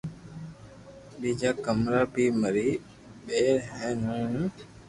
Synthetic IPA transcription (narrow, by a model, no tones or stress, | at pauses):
ɗiːd͡ʒaːkəmɾaːbiːməɾiː | ɓeːɾɦɛ̃ːnũː